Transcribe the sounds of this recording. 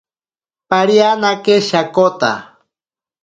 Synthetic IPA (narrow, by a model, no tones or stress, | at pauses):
paɾianakeʃakot̪a̰